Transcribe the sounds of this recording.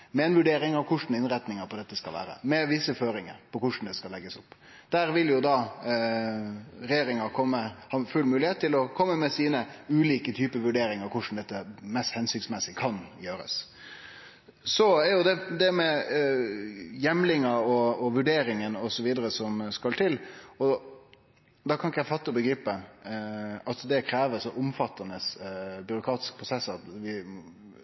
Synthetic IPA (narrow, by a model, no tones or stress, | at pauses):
mɛɛnʋʉɖeːɾɪŋɑʋkʰʊʂn̩ɪnɾɛt̪nɪŋəɾpʰɔd̪ɛt̪ːəskɑlʋæ̰ːɾə̰mɛʋɪsəføːɾɪŋə̰ɾpɔkʊʂn̩d̪ɛskɑlɛɡːəsʊpː | d̪̥æːɾʋɪljʊd̪ɑ | ɾɛjeːɾɪŋɑkʰɔmːəhɑfʉlmʉːlɪheːt̪ʰːɪlɔkʰɔmːəmɛsiːnəʉːliːkət̪ʰyːpəʋʉɖeːɾɪŋɑɾkʰʊʂn̩d̪ɛt̪ːəmɛst̪hɛnsʏksmɛsːɪkʰɑnjøːɾə̰s | sɔæɾjʊd̪ɛd̪ɛmɛ | jɛmlɪŋəɾɔɔʋʉɖeːɾɪŋənɔsɔʋiːd̪əɾəsɔmskɑlt̪ʰɪlɔ | d̪ɑkʰɑnɪkəjæɪfɑt̪ːəbəɡɾiːpə | ɑt̪d̪ɛkʰɾeːʋəɾʂɔʔʊmfɑt̪ːɑnəsbʏɾʊkʰɾɑːt̪ɪ̥skəpʰɾʊsɛsːɑt̪ʋɪ